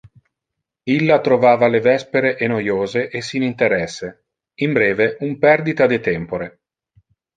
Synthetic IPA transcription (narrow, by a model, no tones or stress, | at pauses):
ilːat̪ɾovaːvalevɛspeɾeʔenojoːzeʔesːinint̪eɾɛsːe | imbɾɛːveumpɛrd̪it̪ad̪et̪ɛmpoɾe